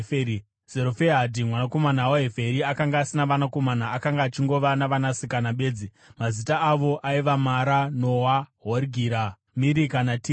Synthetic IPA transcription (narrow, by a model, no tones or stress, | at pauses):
z̥eɾofeɦadʱimwanako̞manawoɦefeɾiakaŋɡaːsinaʋanako̞manaːkaŋɡaːt͡ʃiŋɡo̞ʋanaʋanasikanaɓe̞ːd͡zi | mazitaːʋo̞ʔaiʋamaɾanowaɦoriɡʱiɾa | miɾikanati